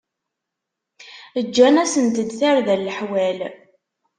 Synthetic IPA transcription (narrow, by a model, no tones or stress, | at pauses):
əd͡ʒːænæsənt̪əd̪θæɾðælːəħwæl